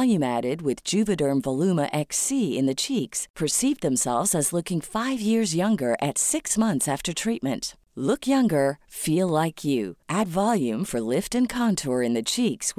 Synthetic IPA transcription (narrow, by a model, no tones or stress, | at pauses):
lˠjʉ̃mæɾɪd̚wɪðd͡ʒʉvɨɾə˞nvəlʉməʔɛksiɪ̰̃nðɨt͡ʃʰikspʰə˞sivðɨ̃msɛ̰lˠvzɨzlʊkɪ̃ŋfaɪvjɪɹzjʌ̃ŋɡə˞ʔɨtsɪksmʌ̃nθsæftə˞tʰɹ̥it̚mɨ̃nt | lʊkʰjʌ̃ŋɡə˞filˠlaɪkʰjʉʔædvɑlˠjʉ̃ɱfə˞lɪftɨ̃nkʰɑ̃ntʰɔɹɨ̃nðɨt͡ʃʰiks